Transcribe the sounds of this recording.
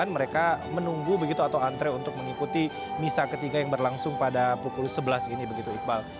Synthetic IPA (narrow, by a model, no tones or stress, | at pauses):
anməɾekamənuŋɡubəɡit̪uat̪awant̪ɾɛunt̪ʊk̚məŋikut̪i | misakət̪iɡajaŋbərlaŋsʊŋpadapukulsəbəlasinibəɡit̪uik̪̚bal